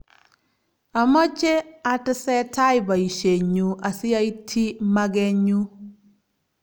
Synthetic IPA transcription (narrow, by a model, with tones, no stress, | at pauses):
a˨mɔ˦t͡ʃe˦a˦tə˦sɛ˦ta˦jba˨i˨ʃe˨ɲu˨ʔa˨sɪ˦ja˦i˦tʰi˦ma˦ɡɛ˦ɲu˦